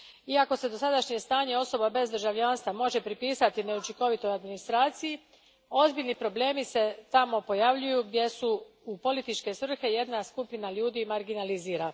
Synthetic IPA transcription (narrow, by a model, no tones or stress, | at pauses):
iako̞se̞d̪o̞sad̪aʃɲe̞st̪aːɲe̞o̞so̞babe̞zd̪r̩ʒaʋʎaːnst̪ʋamo̞ʒe̞pɾipiːsat̪ine̞ut͡ʃiko̞ʋit̪o̞jad̪minist̪ɾaːt̪siji | o̞zbiʎʲnipɾo̞ble̞ːmise̞t̪amo̞po̞jaʋʎujuɡd̪je̞su | upo̞lit̪it͡ʃke̞sʋr̩xe̞je̞d̪naskupinaʎuːd̪imaɾɡinaliziːɾa